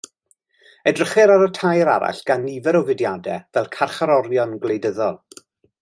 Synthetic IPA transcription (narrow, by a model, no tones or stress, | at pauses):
ɛdrəχɛɾaɾətʰajɾa̰ɾa̰ɬɡ̥anːivɛɾɔvɪdjadɛvɛlˠkʰarχaɾɔɾjɔnɡlejdəðɔlˠ